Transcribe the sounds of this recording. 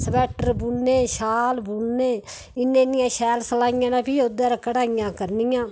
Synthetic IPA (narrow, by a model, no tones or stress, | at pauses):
səbɛːʈəɾbunːeːʃaːlbuːnːeː | ɪnːẽːnɪjãːʃɛːlsəlaːɪjãːnãːpʰiːod̪aːɾakəɽaːɪjãːkəɾnɪjãː